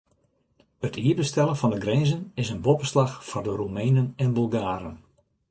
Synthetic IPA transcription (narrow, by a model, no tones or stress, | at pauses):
ətʰiːbəstɛlˠənfɔndəɡrɛnzənɪsənbopəslaxfɔrdərumɛjnənɛnbylˠɡaːɾən